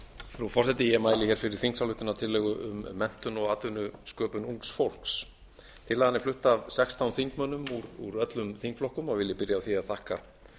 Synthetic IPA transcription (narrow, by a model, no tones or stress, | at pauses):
θɾufɔrsɛt̪ɪjɛmaːjlɪçɛɾ̥fɪɾɪɾ̥θiŋksalʏht̪ʏnat̪ʰɪlːɛːɣʏʔʏ̰mːɛn̥t̪ʏnɔɣat̪vʏnʏskœːpʏnuŋksfowl̥ks | t̪ʰɪlaanɪɾflʏht̪avsɛkst̪ʰawnθiŋkmœnːʏmuɾuɾœt̪lʏmθiŋkflɔhkʏmɔɣvɪljɪpɪɾjawθiaðθʰahka